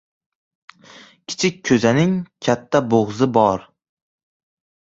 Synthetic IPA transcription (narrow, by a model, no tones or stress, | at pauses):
kʲʰɪ̥t͡ʃʰɪk̚ʲkʰːɵzanɪŋkʲʰat̪ʰːaboʁzɪbɒɾ